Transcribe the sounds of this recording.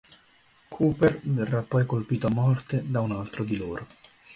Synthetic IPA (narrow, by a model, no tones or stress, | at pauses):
kʰuːperverːapːɔjkolpiːt̪oamːɔrt̪ed̪aunalt̪ɾod̪iloːɾo